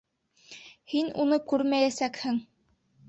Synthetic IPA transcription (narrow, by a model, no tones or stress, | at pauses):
hinunɤkʉɾmæjæsækhɘŋ